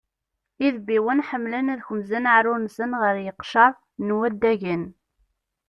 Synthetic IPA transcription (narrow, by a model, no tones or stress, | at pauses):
iðbiwənħəmːlənæðçəmzænaʕɾʊnsənʁəɾjəqʃɑɾˤ | nwæd̪ːæʝən